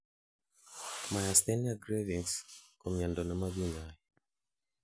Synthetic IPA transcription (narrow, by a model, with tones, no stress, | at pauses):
ma˨ja˨st̪ɛ˦niaɡɾe˦vi˨ŋskɔ˨mja˨ndɔ˨na˦ma˦βi˦ɲa˦ji